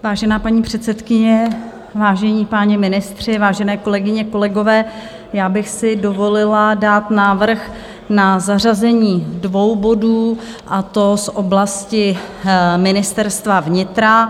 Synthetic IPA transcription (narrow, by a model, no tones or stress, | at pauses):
vaːʒɛnaːpaɲiːpr̝̥ɛt̪sɛt̪kɪɲɛ | vaːʒɛɲiːpaːɲɛmɪnɪst̪r̝̥ɪvaːʒɛnɛːko̞lɛɡɪɲɛko̞lɛɡo̞vɛː | jaːbɪxsɪdo̞vo̞lɪladaːt̪naːvr̩x | nazarazɛɲiːdvo̞wbo̞duː | ʔat̪o̞sʔo̞blascɪ | mɪnɪst̪ɛɾst̪vavɲɪt̪ɾa